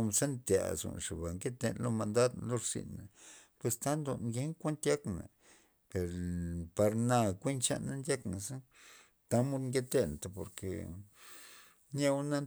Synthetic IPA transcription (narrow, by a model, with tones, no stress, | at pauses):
msa˦nt̪ja̰˨zo̰˨nʂe˨ba˨ŋɡe˦t̪ḛ˧˨nlo˦ma˧nd̪a˦d̪lo˦˧ɾsḭ˨nːa˨pwe˧st̪a˦nd̪o˧nɡe˦ŋkʷe˦nt̪ja˦kna̰˨ | pe˨ɾpa˧ɾna˧kʷe˦nt͡ʃa̰˧na˦nja˦kna˨sa˦ | t̪a˦mu˦ŋɡe˦t̪e˦n˨t̪a˨po˨ɾkḛ˨ | ɲa˦na˦